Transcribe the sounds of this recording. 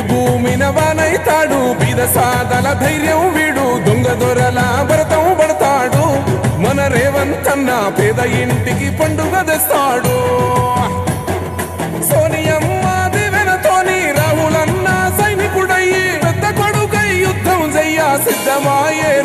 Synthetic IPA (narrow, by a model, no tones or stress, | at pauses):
bʱuːminɐbaːnɐjt̪aːɽubiːd̪ɐsaːd̪ɐlɐd̪ʱɐjɾjɐmʋiːɽud̪oŋɡɐd̪ɔɾɐlɐbʱɐɾɐt̪ɐmbɐɽɐt̪aːɽumɐnɐɾɛːʋɐnt̪ɐnːapɛːd̪ɐiɳʈikipɐɳɖuɡɐd̪ɛst̪aːɽu | soːnijɐmːaːd̪iʋɛnɐt̪oːniɾaːɦulɐnːasɐjnikuɽɐjipɛd̪ːɐkoɽukɐjjud̪ʱːɐmd͡ʒɛjːaːsid̪ːɐmaːjeː